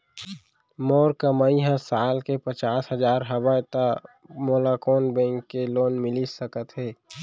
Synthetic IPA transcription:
moːɾkəməiɦə̃saːlkepət͡ʃaːsɦəzaːɾɦəʋəjt̪a | moːlakoːnbɛ̃ŋkːeloːnmɪlisəkət̪ɦɛː

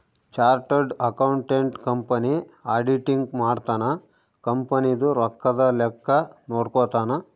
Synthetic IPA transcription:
t͡ʃaːɾʈɐɾɖɐkɐwɳʈeɳʈkɐmpɐni | aːɖiʈiŋɡmaːɖt̪aːnɐ | kɐmpɐnid̪uɾɔkːɐd̪ɐlɛkːɐnoːɽkoːt̪aːnɐ

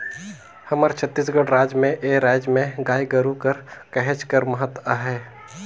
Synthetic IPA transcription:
həməɾt͡ʃʰət̪ːiːs̬ɡəɽɾaːd͡ʒmẽʔeɾaːd͡ʒmẽɡaːiɡəɾukəɾkɛɦɛ̃t͡ʃkəɾməɦət̪waɦɛː

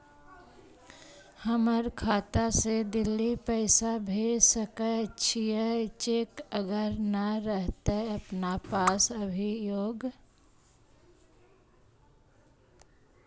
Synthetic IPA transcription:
həməɾkʰaːt̪ased̪ɪlːipəɪsabʱesəkət͡ʃʰijət͡ʃeːkəɡəɾnəɾəɦt̪eɦəpnapaːsəbʱijoːɡ

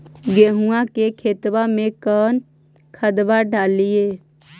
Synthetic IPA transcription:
ɡeɦuãkekʰeːt̪bamẽkəːn | kʰəd̪baɖʱaːlijeː

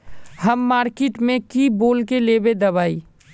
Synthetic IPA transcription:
həmːaːɾkeːʈmẽkiboːlkeleːbed̪ɐβaːi

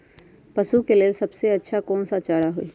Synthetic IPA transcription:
pɐʃukeliesɐbseɐtːʃʰakɔːnsat͡ʃaːɽaɦoḭ

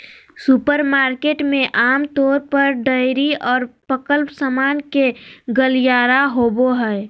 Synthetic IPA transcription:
supəɾmaːɾkeːʈmẽʔaːmt̪ɔːɾpəɾɖəɪɾiɔːɾpɾəkəlpsəmaːnkeɡəlijaːɾaɦoːboɦɛɪ

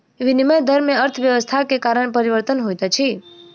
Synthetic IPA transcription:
ʋiniməjd̪ʱəɾmeəɾt̪ʰʋjəʋəst̪ʰakekaɾəɳ̃epəɾiʋəɾt̪ənɦojt̪at͡ʃʰi

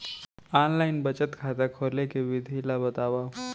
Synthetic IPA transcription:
anlainbət͡ɕət̪kʰat̪akʰolekeʋid̪ʱilabət̪aʋa

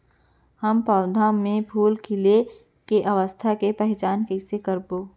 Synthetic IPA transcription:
həmpəːd̪ʱãmẽbʰʱuːlkɪle | keʔɐʋəst̪ʰakepɛɦɛt͡ʃaːnkeːsekəɾboː

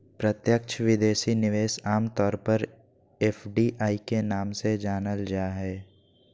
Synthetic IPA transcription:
pɾət̪jək̚t͡ʃʰəʋɪd̪eːʃinɪʋeːsaːmt̪ɔːɾpəɾ | eːfɖiʔaːikenaːmsed͡ʒaːnəld͡ʒaːɦɛː

